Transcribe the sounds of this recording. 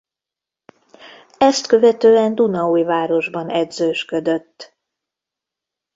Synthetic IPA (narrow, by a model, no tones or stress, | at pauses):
ɛst̪kø̞vɛt̪øːɛnd̪unɒuːjvaːɾo̞ʒbɒnɛd̪zøːʃkød̪øt̪ː